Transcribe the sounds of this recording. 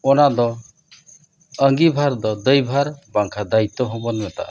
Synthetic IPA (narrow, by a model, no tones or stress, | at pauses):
ɔnad̪ɔ | əŋɡibʱaɾd̪ɔd̪əjbʱaɾbaŋkʰad̪ait̪ːɔɦobɔnɛmɛt̪a̰ʔ